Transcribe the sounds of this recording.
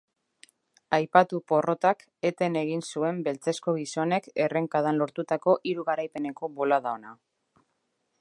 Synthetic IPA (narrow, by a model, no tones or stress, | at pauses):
ajpat̪upo̞ro̞t̪ak | e̞t̪e̞ne̞ɣ̞insue̞mbe̞lt͡se̞sko̞ɣ̞iso̞ne̞ke̞re̞ŋkaðanlo̞ɾt̪ut̪ako̞ʔiɾuɣaɾajpe̞ne̞ko̞βo̞laðaona